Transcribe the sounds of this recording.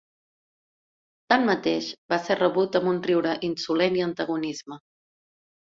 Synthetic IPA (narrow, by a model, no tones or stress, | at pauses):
t̪anmət̪eʃbasɛrəβut̪əmunriwɾəʔinsulɛniənt̪əɣunizmə